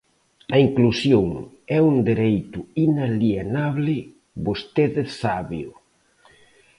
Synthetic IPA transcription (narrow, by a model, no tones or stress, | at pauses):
ɐiŋklusjoŋ | ɛund̪eɾejt̪ʊinalienaβlɪ | bost̪eðɪsaβjʊ